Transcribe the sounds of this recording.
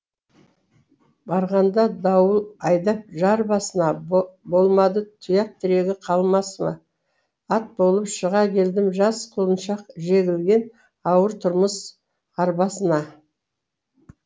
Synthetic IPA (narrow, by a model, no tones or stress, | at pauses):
bɑɾʁɑnd̪ɑd̪ɑwəlˠɑjd̪ɑp̚ʒɑɾbɑsənɑbo̞lˠmɑd̪ət̪ʰʊjɑq̚t̪ʰɪɾe̞ɡʲɪqʰɑlˠmɑsmɑ̰ | ɑt̪̚bo̞lˠəpʃəʁɑkʲʰe̞ld̪ɪmʒɑsqʰʊlˠənʃɑqʒe̞ɡʲɪlɡʲe̞n | ɑwəɾt̪ʰʊɾməs | ɑɾbɑsənɑ